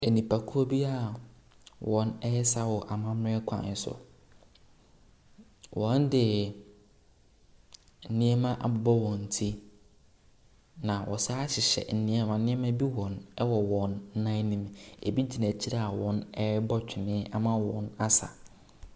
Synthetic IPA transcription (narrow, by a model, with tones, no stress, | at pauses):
e˨nĩ˨pʰa˨kʰu˦o˦bi˦a˦˨ | wɔ̃˨nɛ˦jɛ˦sa˦˨wɔ˨ʔa˨mã˦m˦ɾɪ̃˦kʷʰã̰˨n˦sʊ̰˨ | wɔ̃˨˦ndɪ˨ | n̩˨nĩ˦ɛ˦mã˦ʔa˨bʊ˨bɔ˦wɔ̃˨n̩˨tʰi˦ | nã˨wʔɔ̰˨saː˦ɕɪ˨ɕɛ̰˨n̩˨nĩ˦ɛ˦mã˨nɪ̃˦ɛ˦mã˦bi˦wɔ̃˨nɛ˦wɔ˨wɔ̃˨n̩ː˦ã˦nĩ˨mḛ˨bi˦d͡ʑi˨nã˨t͡ɕʰi˦ɾa˦˨a˨wɔ̃˦nɛ˦bɔ˦t͡ɕᶣɪ˨nɪ̃˦a˨mã˦wɔ̰̃˨˦na˦sa̰˨